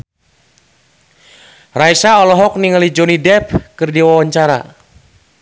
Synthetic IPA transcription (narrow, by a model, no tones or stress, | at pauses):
raisaɔlɔɦɔk̚niŋəlid͡ʒɔnidɛp̚kɨrdiwawaɲt͡ʃaɾa̰